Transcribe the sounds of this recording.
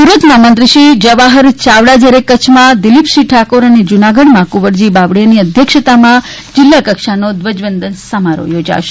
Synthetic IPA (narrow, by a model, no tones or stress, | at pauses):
suɾət̪mãmənt̪ɾəʃid͡ʒəʋaɦəɾt͡ʃaʋɽad͡ʒəɾekːət͡ʃʰmãd̪ɪlipʃiʈʰakoɾəned͡ʒunaɡəɽmãkuʋəɾd͡ʒibaʋɽeniəd̪ʱjəkʃət̪amã | d͡ʒɪlːakəkʃanod̪ʋəd͡ʒʋənd̪ənsəmaɾo̰jod͡ʒa̰ʃe̥